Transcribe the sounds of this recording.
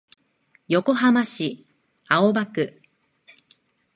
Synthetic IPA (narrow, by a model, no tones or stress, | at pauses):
jo̞ko̞ɦamaɕi | ao̞bakɯ̟